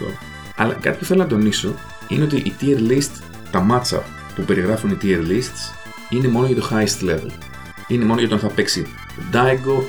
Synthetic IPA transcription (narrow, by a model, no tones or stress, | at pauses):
o̰ɐ | ɐ̰lɐ̰kɐ̰t̪ipu̥θelonɐt̪o̞niso̞ | ine̞o̞t̪iʔit̪ieɾlist̪s | t̪ɐmɐt̪sɐ̰p | pupe̞ɾiɣɾɐfunit̪ieɾlist̪s | ine̞mo̞noʝɐt̪oxɐist̪le̞vḛl | ine̞mo̞nojɐooɐnθɐpe̞ksi | od̪ɐjɡo̞